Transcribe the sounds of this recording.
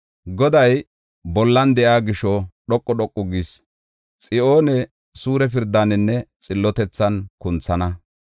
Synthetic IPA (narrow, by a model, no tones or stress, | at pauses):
ɡɔd̪ɐj | bɔlːɐnd̪ɛʔaːɡɪʃɔɗɔkʼːɔɗɔkʼːɔɡis | t͡sʼɪʔo̞ːnɛ | suːɾɛf̬ɪɾd̪ːanɛnːɛt͡sʼɪlːɔt̪ɛt͡sːɐnkʊnt͡sːɐnɐ